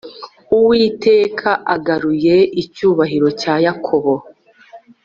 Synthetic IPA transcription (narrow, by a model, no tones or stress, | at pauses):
uwiːte̞ːkʰaʔaɡaɾuje̞icuːβaɦiɾo̞caːjakʰo̞βo̞